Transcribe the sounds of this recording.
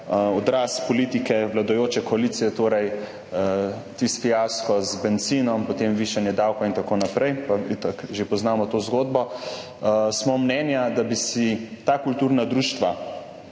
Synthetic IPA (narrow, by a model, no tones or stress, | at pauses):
ɔd̪ɾaːspɔliːt̪ikɛʋlad̪ɔjoːt͡ʃɛkɔaliːt̪sijɛt̪oːɾɛj | t̪isfijaskɔzbɛnt̪siːnɔmpot̪emʋiːʃanjɛd̪awkɔint̪akoːnapɾɛjpaʋit̪akʒepɔznaːmɔt̪oːzɡoːd̪bɔ | smɔmnɛːnjad̪abisit̪aːkult̪uːɾnad̪ɾuːʃt̪ʋa